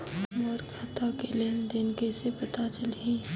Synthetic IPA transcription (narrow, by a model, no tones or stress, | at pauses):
mɔɾkʰaːt̪akeleːnd̪enkesepɐt̪at͡ʃəlɦiː